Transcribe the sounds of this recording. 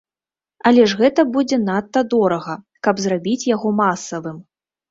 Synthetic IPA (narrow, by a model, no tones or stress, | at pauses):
ɐlʲɛʐɣɛt̪ɐbud͡zʲɛnat̪ːɐd̪ɔɾɐɣɐ | kɐbzrabʲit͡sʲjaɣɔmasɐvɨm